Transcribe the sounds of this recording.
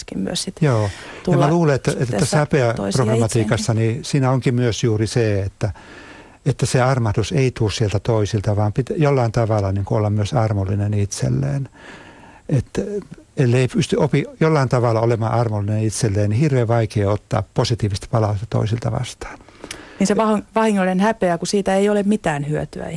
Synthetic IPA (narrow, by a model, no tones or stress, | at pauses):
kiyst̪joːjɑmæluːleet̪ːæet̪ːæsæpeæprokrɑmɑt̪iːkɑsːɑnisiːnæoŋkimyøsjuːriseːet̪ːæ | et̪ːæseɑrmɑht̪useit̪uːssielt̪æt̪oisilt̪ɑʋɑːmpit̪jolːɑint̪ɑʋɑlɑniːŋkuolːɑmmyøsɑrmolːinenit̪sḛlːḛːn | et̪elːeipyst̪yʔopijolːɑint̪ɑʋɑlːɑolemɑʔɑrmulːˑinenit̪selːeːnihirʋeːʋɑikeːot̪ːɑ̰ːpposit̪iːʋist̪pɑlɑust̪ɑt̪o̰isilt̪ɑ̰ʋɑ̰st̪ɑ̥ːnniːnseʋɑhʋɑhiŋːolinenhæpeækusiːt̪æeiolemmit̪æːnhyøt̪yæ̰